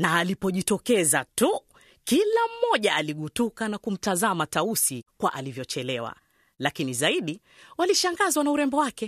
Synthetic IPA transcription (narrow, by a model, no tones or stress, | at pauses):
naːlipɔʄitɔkɛzatu | kilam̩ːɔʄaːliɠutukanakum̩tazamatausikwaʔalivjɔt͡ʃɛlɛwa̰ | lakinizaiɗi | waliʃaŋɡazwanauɾɛmbɔwakɛ